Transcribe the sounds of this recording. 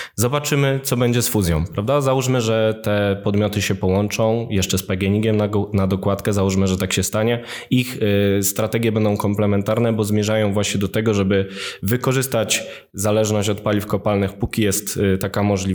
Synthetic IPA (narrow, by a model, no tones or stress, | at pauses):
zɔbat͡ʂɘmɘt̪sɔbɛɲd͡ʑɛsfuzʲjɔ̃w̃pɾavd̪azawuʂmɘʐɛt̪ɛpɔd̪mʲjɔt̪ɘɕɛpɔwɔnt͡ʂɔ̃w̃jɛʂt͡ʂɛspɛɡʲɛɲiɡʲjɛmanad̪ɔkwat̪kɛzawuʂmɘʐɛt̪akɕɛst̪aɲɛ | ixst̪ɾat̪ɛɡʲjɛbɛnd̪ɔ̃w̃kɔmplɛmɛnt̪aɾnɛbɔzmʲjɛʐajɔ̃w̃vwaɕɲɛd̪ɔt̪ɛɡɔʐɛbɘvɘkɔʐɘst̪at͡ɕ | zalɛʐnɔɕt͡ɕɔt̪̚palʲifkɔpalnɘxpukʲijɛst̪t̪ːakamɔʐlʲi